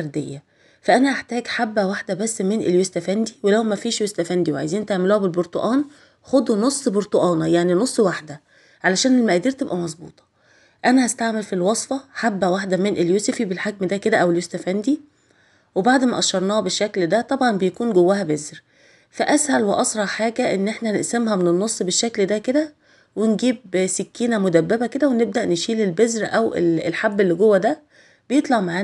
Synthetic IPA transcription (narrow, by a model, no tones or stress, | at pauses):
ɾˤd̪ejːæ | fæʔænæʔaħt̪æːɡħabːæwaħd̪æbæsːmenʔeljost̪æfænd̪iwelæwmæfiːʃjost̪æfænd̪iwʕa̰jziːnt̪eʕmeluːhæbelboɾt̪ˤoʔɑːn | xod̪nosˤːboɾt̪oʔɑːnɑjaʕninosˤːwaħd̪æ | ʕalæʃæːnelmæʔæd̪iːɾt̪ebʔæmɑzˤbṵːt̪ˤɑ̥ | ʔænæhæst̪aʕmelfilwɑsˤfɑħabːæwaħd̪æmenʔeljoːsefibelħaɡ̚md̪æked̪æʔæweljost̪æfænd̪i | webaʕd̪mæʔɑʃːɑɾˤnɑːhɑbeʃːækld̪æt̪ˤɑbʕɑnbejækuːnɡowːæɦæbezɾ | fæʔæshælweʔɑsɾˤɑʕħaːɡæʔenːʔeħnæneʔsæmɦæmenenːosˤːbeʃːækld̪æked̪æ | wenɡiːbsekːiːnæmod̪æbːebæked̪æweneb̚d̪æʔneʃiːlelbezɾʔæwḛlḛlħabːelːiɡowːæd̪æ | b̥ejet̪ˤlɑʕmaʕaːn